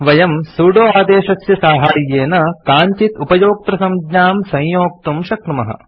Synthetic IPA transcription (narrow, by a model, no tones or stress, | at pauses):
ʋɐjɐmsuːɖoːaːd̪eːʃɐsjɐsaːɦaːjːeːnɐkaːɲt͡ʃit̪upɐjoːk̚t̪ɾɐsɐmɡɲaːmsɐ̃jjoːk̚t̪umʃɐkɳumɐɦɐ̰̆